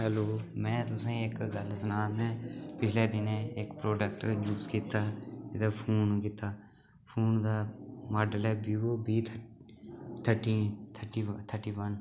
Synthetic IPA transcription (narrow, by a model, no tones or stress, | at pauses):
ɦɛloːmɛ̃ːt̪ʊsẽːɪkɡəlsənaːmɛ̃ːpɪt͡ʃleːd̪ɪneɪkpɾoːɖək̚ʈəɾjuːskiːt̪aːɪd̪əpʰoːnkiːt̪aː | pʰoːnd̪aːmaːɖəlɛːbiːoːbiːt̪ʰ | t̪ʰəʈiːt̪ʰəʈiːt̪ʰəʈiːʋən